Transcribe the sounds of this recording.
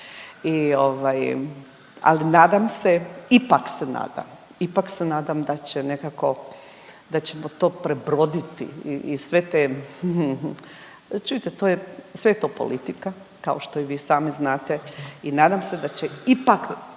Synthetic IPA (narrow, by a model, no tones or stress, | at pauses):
io̞ʋaj | a̰linaːd̪amseipaksena̰ːd̪a̰m | ipaksenaːd̪amd̪at͡ɕene̞kako̞ | d̪at͡ɕe̞mot̪o̞ːpɾebɾo̞d̪it̪ḭiisʋe̞t̪e | t͡ʃujit̪et̪oːjesʋejet̪oːpo̞̰lit̪ika | kaoʃt̪o̞iʋiːsaːmiznaːt̪einaːd̪amse̞d̪at͡ɕeipak